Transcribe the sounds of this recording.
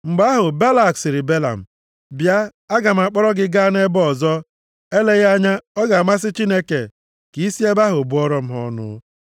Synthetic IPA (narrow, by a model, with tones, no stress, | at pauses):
ŋ͡m̩˨ɡ͡ba˦ɦʊ˨ba˦la˨ksɪ˨ɾɪ˨be˦la̰˨m̩˨ | bja˦ | a˦ɡa˨m̩˨a˨k͡pɔ˦ɾɔ˦ɡɪ˦ɡa˦ne˦bɔ˦˨zɔ˦ | e˦le˦ɣa˦ɲa˦ɔ˦ɡa˨ma˦s̬ɪ˦t͡ʃi˦ne˦ke˨ | ki˨i˦si˦e˦ba˦ɦʊ˨bʊ˦ɔ˦ɾɔ˦m̩˦ɦɔ̰˦nʊ̰˦